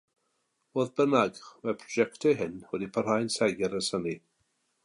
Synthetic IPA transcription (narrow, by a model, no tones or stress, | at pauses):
voːðbənaɡmapʰrɔd͡ʒɛktʰɛɦɪnwɛdipʰər̥hajnsɛɡɛɾəsəni